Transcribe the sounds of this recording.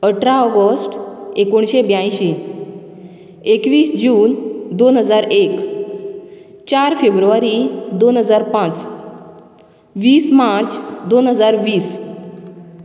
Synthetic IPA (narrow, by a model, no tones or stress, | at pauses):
əʈʰɾaɔɡəsʈekoɳɕebjãj̃ɕe | ekʋiːsd͡ʑuːnd̪onɦəd͡zaɾek | t͡ɕaɾfebɾuʋaɾid̪onɦəd͡zaɾpãt͡s | ʋiːsmaɾt͡sd̪onɦəd͡zaɾʋiːs